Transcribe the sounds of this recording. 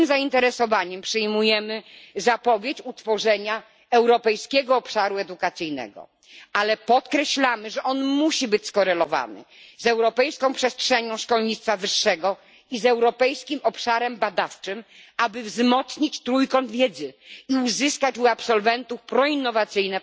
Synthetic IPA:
mzaint̪ɛɾɛsɔvaɲɛmpʂɘjmujɛmɘzapɔvʲjet͡ɕut̪fɔʐɛɲa | ɛwɾɔpɛjskʲɛɡɔːpʂaɾuɛd̪ukat̪sɘjnɛ̰ɡɔ̰ | alɛpɔt̪kɾɛɕlamɘʐɛʔɔnmuɕibɘt͡ɕskɔɾɛlɔva̰nɘ̰zɛwɾɔpɛjskɔ̃w̃pʂɛstʂɛɲɔ̃w̃ʂkɔlɲit̪t̪favɘʂːɛɡɔ | izɛwɾɔpɛjskʲimɔpʂaɾɛmbad̪aft͡ʂɘmabɘvzmɔt̪sɲit͡ɕt̪ɾujkɔ̃nd̪vʲjɛd̪zɘiuzɘskat͡ɕuapsɔlvɛnt̪ufpɾɔinːɔvat̪sɘjnɛ

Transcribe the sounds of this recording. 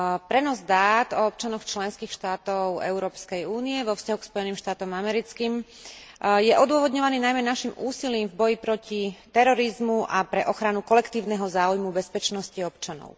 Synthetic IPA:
pɾɛnɔzd̪aːt̪ɔɔp̚t͡ʃanɔxt͡ʃlɛnskiːxʃt̪aːt̪ɔʊɛ̰ʊɾɔːpskɛjuːniɛʋɔfscaɦukspɔjɛniːmʃt̪aːt̪ɔmamɛɾit͡skiːm | jɛʔɔd̪ʊɔʋɔd̪ɲɔʋaniːnajmɛnaʃimʔuːsiliːmvbɔjipɾɔcit̪ɛɾɔɾizmuʔapɾɛʔɔxɾanukɔlɛkt̪iːʊnɛɦɔzaːujmubɛspɛt͡ʃnɔsciɔpt͡ʃanɔ̰ʊ

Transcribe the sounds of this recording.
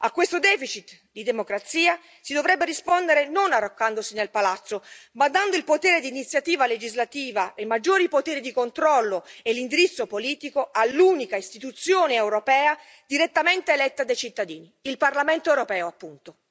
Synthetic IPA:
akːwest̪od̪ɛːfit͡ʃit̪ | d̪id̪emokɾat̪siːa | sid̪ovɾɛbːeɾispond̪eɾenonarːokːand̪osinelpalat̪sːomad̪ːand̪oilpot̪eːɾed̪iːnit̪sjat̪iːvaled͡ʒizlat̪iːvaʔemːad͡ʒːoːɾipot̪eːɾid̪ikont̪ɾɔlːoelːind̪iɾit̪sːopoliːt̪ikoalːuːnikaist̪it̪ut̪sːjoːneewɾopɛːa | d̪iɾet̪ːament̪eːlɛt̪ːad̪ajt͡ʃit̪ːad̪iːniilparlamɛnt̪oɛwɾopɛːoapːunt̪o

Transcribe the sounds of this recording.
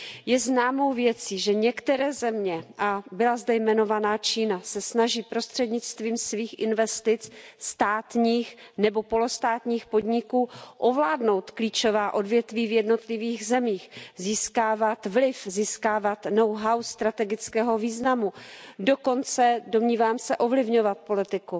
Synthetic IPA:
jɛznaːmo̞wvjɛt͡siːʒɛɲɛkt̪ɛɾɛːzɛmɲɛʔabɪlazdɛjmɛno̞vanaːt͡ʃiːnasɛsnaʒiːpɾo̞st̪r̝̥ɛdɲɪt͡st̪viːmsviːxʔɪnvɛst̪ɪt͡sst̪aːt̪ɲiːxnɛbo̞po̞lost̪aːt̪ɲiːxpo̞dɲɪkuːʔovlaːdno̞wt̪kliːt͡ʃo̞vaːʔo̞dvjɛt̪viːvjɛdno̞t̪lɪviːɣzɛmiːxziːskaːvat̪vlɪfziːskaːvat̪no̞wɦawst̪ɾat̪ɛɡɪt͡skɛːɦoviːznamudoko̞nt͡sɛdo̞mɲiːvaːmsɛʔo̞vlɪvɲo̞vat̪̚po̞lɪt̪ɪku

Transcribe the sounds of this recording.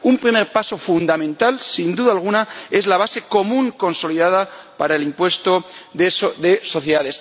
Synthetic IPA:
umpɾimeɾpaso̞fund̪amẽ̞nt̪alsind̪uðaːlɣ̞unae̞zlaβ̞ase̞ko̞mũŋko̞nso̞liðaðapaɾaelimpwe̞st̪o̞ðesoðeso̞θjeðaðe̞s

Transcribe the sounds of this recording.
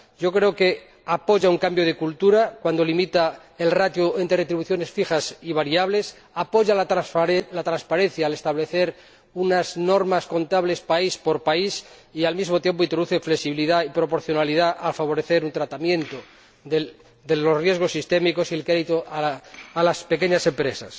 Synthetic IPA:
ɟ͡ʝo̞kɾe̞oke̞ | apo̞ʝauŋkambjo̞ðe̞kult̪uɾakwand̪o̞limit̪a | e̞lrat̪juent̪ɾeret̪ɾiβuθjo̞ne̞sfixasiβaɾiaβle̞s | apo̞ʝal | lat̪ɾanspaɾe̞n̟θjaːle̞st̪aβleθe̞ɾ | unazno̞ɾmasko̞nt̪aβle̞spaispo̞ɾpaisialmizmo̞t̪je̞mp̬oint̪ɾo̞uθe̞fleksiβiliðaipɾo̞po̞ɾθjo̞naliðaʔalfaβ̞o̞ɾeθe̞ɾunt̪ɾat̪amjẽ̞nt̪o | e | d̪elo̞srje̞zɣ̞o̞sːist̪e̞miko̞silkɾeðit̪oaalaspe̞ke̞ɲase̞mpɾe̞sa̰s

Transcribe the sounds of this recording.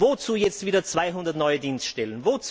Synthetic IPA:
vot͡suːjɛt͡stv̥iːdɐt͡sv̥aɪɦʊndɐtnɔʏədiːnstʃtɛlənvot͡s

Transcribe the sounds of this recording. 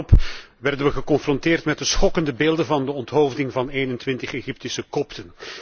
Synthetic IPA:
ɔp | ʋɛrdənʋəɣəkɔnfrɔntɪːrtmɛt̚dəsχɔkəndəbeːlˠdənvɑndəɔntɦowvdɪŋvɑneːnəntʋɪntəχeɣip̚tɪsəkɔptən

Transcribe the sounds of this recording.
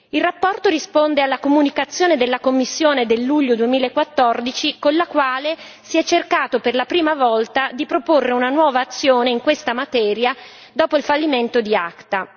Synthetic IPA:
ilrapːɔrt̪oɾispond̪ealːakomunikat̪sːjoːned̪elːakomːisːjoːned̪elːuʎːod̪uemiːlaekːwat̪ːɔrd̪it͡ʃikonlakwaːle | siɛt͡ʃːerkaːt̪operlapɾiːmavɔlt̪ad̪ipɾoporːeunanwɔːvaːt̪sːjoːneiŋkwest̪amat̪ɛːɾja | d̪ɔːpoilfalːiment̪od̪iakt̪a

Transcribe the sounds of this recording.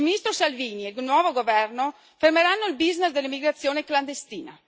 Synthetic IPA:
lminist̪ɾosalviːnieɡnwɔːvoɡovɛrno | fermeɾanːoilbiznesd̪elːimiɡɾat̪sːjoːnekland̪est̪iːna̰

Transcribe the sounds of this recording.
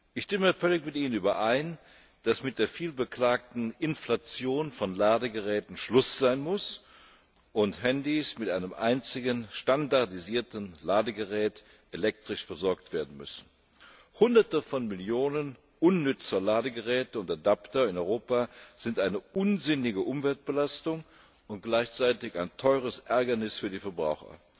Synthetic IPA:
ʔɪçʃtɪməfœlɪçmɪtʔiːnənyːbɐʔaɪn | d̥asmɪt̚d̥eːɐfiːlbəkl̥aːk̚tn̩ɪnflat͡sjoːnfɔnlaːdəɡəʁɛːtn̩ʃlʊsz̥aɪnmʊs | ʔʊnthɛndismɪtʔaɪnəmʔa̰ɪnt͡sɪɡənʃtandaɐdiziːɐtn̩laːdəɡəʁɛːt | ʔelɛk̚tʁ̥ɪʃfɛɐzɔɐktv̥eːɐdn̩mʏ̰sn̩ | hʊndɐtəfɔnmɪljoːnən | ʔʊnːʏt͡sɐlaːdəɡəʁɛːtəʊntadaptɐɪnɔʏʁoːpaz̥ɪntʔaɪnəʔʊnzɪnɪɡəʔʊmvɛlt̚b̥əlastʊŋ | ʊnt̚ɡ̥laɪçt͡saɪtɪçaɪntʰɔʏʁ̞əsʔɛɐɡɐnɪsfyːɐdiːfɛɐbʁa̰ʊxɐ̰

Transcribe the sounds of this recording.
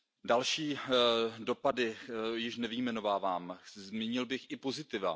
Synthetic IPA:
dalʃiː | do̞padɪjɪʃnɛvɪjmɛno̞vaːvaːmzmiɲɪlbɪxʔɪpo̞zɪt̪ɪva̰

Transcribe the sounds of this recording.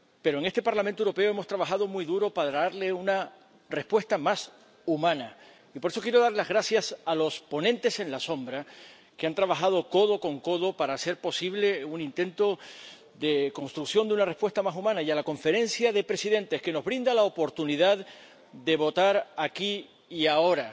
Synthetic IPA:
pe̞ɾo̞e̞ŋe̞st̪e̞paɾlamẽnt̪ouɾo̞pe̞oe̞mo̞st̪ɾaβaxað̞o̞mujðuɾo̞paɾaɾle̞una | re̞spwe̞st̪amas | umãna | ipo̞ɾe̞so̞kje̞ɾo̞ð̞aɾlazɣɾasjasalo̞spo̞nẽnt̪e̞sẽ̞nlaso̞mbɾa | keant̪ɾaβaxað̞o̞ko̞ðo̞ko̞ŋko̞ðo̞paɾase̞ɾpo̞siβle̞unĩnt̪ẽ̞nt̪o̞ | ðe̞ko̞nst̪ɾuksjo̞nd̪unare̞spwe̞st̪amasumãnajalako̞ɱfe̞ɾẽ̞nsjaðe̞pɾe̞siðẽ̞nt̪e̞ske̞no̞zβɾĩnd̪alaopo̞ɾt̪uniðað | d̪e̞βo̞t̪aɾakiː | ao̞ɾa

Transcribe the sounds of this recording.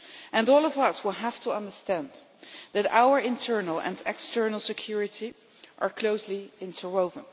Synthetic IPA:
ʔɨ̃nɔːlˠɔvʌswɪlˠɦæftʰəʌ̃ndə˞stæ̃n | ðɨɾa̰ʊə˞ɪ̃ntʰɜ˞nəlˠə̰̃nɛkstʰɜ˞nəl̩ˠsɨkʰj̥ʊɹɨti | ʔəɹkʰl̥oʊsliɪ̃ntʰəɹoʊvə̃n

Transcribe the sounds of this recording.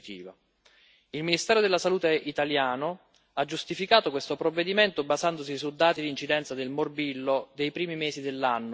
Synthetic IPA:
t̪ḭːva | ilminist̪ɛːɾod̪elːasaluːt̪eʔit̪aljaːno | ad͡ʒːust̪ifikaːt̪okwest̪opɾovːed̪iment̪obazand̪os̬isud̪aːt̪id̪int͡ʃid̪ɛnt̪sad̪elmorbilːod̪ejpɾiːmimeːsid̪elːanːo

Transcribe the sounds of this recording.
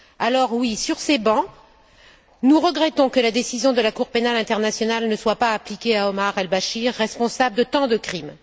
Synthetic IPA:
alɔʁwisyʁsebɑ̃ | nuʁəɡʁɛt̪ɔ̃kəlad̪esizjɔ̃d̪əlakuʁpenalɛ̃t̪ɛʁnasjɔnalnəswapaːplikʲeaɔmaʁɛlbaʃiʁːɛspɔ̃sabld̪ət̪ɑ̃d̪əkχim

